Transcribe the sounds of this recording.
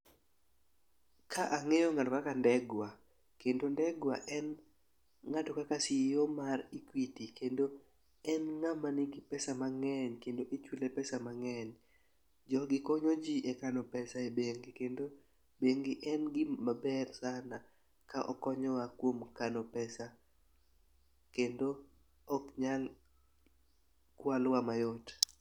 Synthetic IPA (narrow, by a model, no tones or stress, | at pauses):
kʰaʔaŋɛjɔŋatɔkakandɛɡwa | kendondɛɡwa̰ʔɛn | ŋatɔkakasɪjomarikwitikendo | ɛnŋamanɪɡɪpɛsamaŋɛɲkendoʔit͡ʃwilɛpɛsamaŋɛɲ | d͡ʒɔɡɪkɔɲɔd͡ʒiʔekanɔpɛsaebeŋɡikendo | beŋɡɪʔɛnɡɪmabɛrsana | kaʔɔ̰kɔɲɔwakwomkanɔpɛsa | kendo | ɔkɲal | kwalwamajɔt